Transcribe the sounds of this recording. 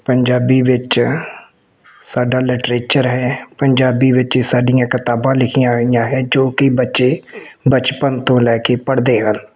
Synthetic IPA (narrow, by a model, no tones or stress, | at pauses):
pəɲd͡ʒaːbiːʋɪt͡ʃ | saːɖaːlɪʈɾeːt͡ʃəɾɦɛːpəɲd͡ʒaːbiːʋɪt͡ʃːsaːɖijãːkɪt̪aːbãːlɪkʰijãːɪjãːɦɛːd͡ʒoːkɪbətːʃeːbət͡ʃpənt̪õːlɛːkeːpəɽd̪eːɦəl